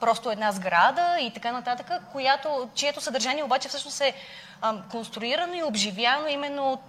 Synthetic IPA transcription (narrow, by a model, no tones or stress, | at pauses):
pɾɔst̪oɛd̪nazɡɾad̪əit̪ɐkanɐt̪at̪əkəkojat̪ot͡ʃiɛt̪osəd̪əɾʒaniɛobat͡ʃɛfsɤʃnosɛ | konst̪ɾʊiɾənoiobʒivjanoimɛnːo